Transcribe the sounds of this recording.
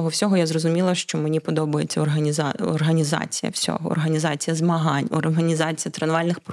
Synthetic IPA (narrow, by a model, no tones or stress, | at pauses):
ɦɔwsʲɔɦɔjazrɔzʊmʲilˠɐʃt͡ʃɔmenʲipɔd̪ɔbɐjet͡sʲːɐɔrɦɐnʲzɔ̰rɦɐnʲizɑ̰t͡sʲijɐ̰wsʲɔ̰ɦɔɔ̰rɦɐnʲizɑt͡sʲijɐzmɐɦɑnʲɔrɦɐnʲizɑt͡sʲijɐt̪ɾɐnʋɑlʲnɪxp